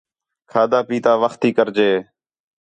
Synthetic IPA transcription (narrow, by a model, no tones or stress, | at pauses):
kʰaːd̪aːpiːt̪aːʋəxt̪iːkəɾd͡ʒeː